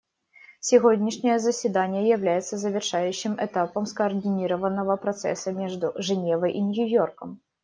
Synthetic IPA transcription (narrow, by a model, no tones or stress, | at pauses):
sʲiɣɔd̪ʲnʲiʂnʲɐjɛzɐsʲvʲid̪anʲːɛjawlʲajɛt̪sːɐzɐvʲɛrʂajuɕːɨmɛt̪apɐmskɐɐrd̪ɨnʲiɾɐvɐnɐvɐpɾat̪sɛ̰sɐmʲɛʐd̪uʐɨɛnʲɛvɐʔinʲjujɔrkɐm